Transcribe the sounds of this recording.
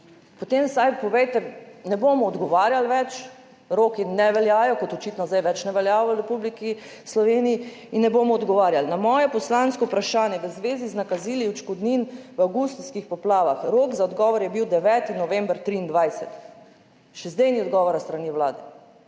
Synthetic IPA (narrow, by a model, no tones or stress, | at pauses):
pɔt̪emsajpɔʋɛjt̪ɛnɛbomɔːd̪ɡɔʋaːɾjalʋɛt͡ʃ | ɾoːkinɛʋɛljaːjɔkɔt̪ɔt͡ʃit̪nɔzd̪ajʋɛt͡ʃnɛʋɛljaːʋɔɾɛpubliki | slɔʋeːnii | inːɛbomɔɔd̪ɡɔʋaːɾjalnamɔːjɛpɔslanskɔupɾaʃaːnjɛʋəzʋeːziznakaziːliut͡ʃkɔd̪ninʋawɡust̪skixpɔplaːʋaxɾoːkzaɔd̪ɡɔːʋɔɾjɛbiwd̪ɛʋɛːt̪inɔʋɛ̃mbɾt̪ɾiːnd̪ʋajsɛt̪ | ʃɛzd̪ejniɔd̪ɡɔːʋɔɾɔst̪ɾaniʋlaːd̪ɛ